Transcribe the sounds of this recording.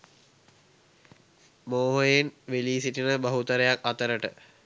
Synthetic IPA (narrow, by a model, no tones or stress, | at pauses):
moːɦojenʋeliːsiʈinəbaɦut̪əɾəjakat̪əɾəʈə̰